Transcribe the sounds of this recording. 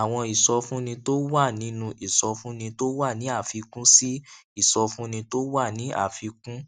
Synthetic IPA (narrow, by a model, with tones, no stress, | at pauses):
a˨w̃ɔ̃˧i˨sɔ˧fũ˦nĩ˧to˦wa˦˨nĩ˨˦nũ˧ʔi˨sɔ˧fũ˦nĩ˧to˦wa˦˨nĩ˨˦a˦˨fi˨˧kũ˦si˦i˦˨sɔ˧fũ˦nĩ˧to˦wa˦˨nĩ˨˦ʔa̰˦˨fi˧kũ˦